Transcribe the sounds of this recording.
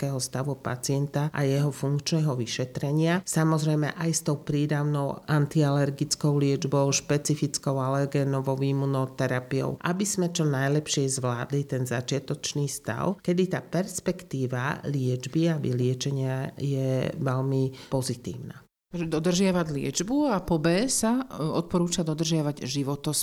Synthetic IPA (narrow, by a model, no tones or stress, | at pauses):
kɛɦɔst̪aʋupa̰t͡sɪɛnt̪aʔa̰jɛɦɔfuŋkt͡ʃnɛɦɔʋiʃɛt̪ɾɛɲɪasamɔzɾɛjmɛ̰ʔajst̪ɔʊpɾiːd̪aʊnɔʊant̪ialɛɾɡit͡skɔʊlɪɛd͡ʒbɔʊʃpɛt͡sifit͡skɔʊalɛɾɡɛnɔʋɔʋiːmunɔt̪ɛɾapijɔ̰ʊʔa̰biz̥mɛt͡ʃɔnajlɛpʃɪɛzʋlaːd̪lit̪ɛnzat͡ʃɪat̪ɔt͡ʃniːst̪a̰ʊkɛd̪it̪aːpɛɾspɛkt̪iːʋa̰lɪɛd͡ʒbiabḭlɪɛt͡ʃɛɲɪajɛʋɛlmipɔzit̪ḭːʊna̰ | t̪ʒɛd̪ɔd̪r̩ʒɪaʋaɟlɪɛ̰d͡ʒbuapɔbɛsaɔt̪̚pɔɾuːt͡ʃad̪ɔd̪r̩ʒaʋaɟʒiʋɔt̪ɔs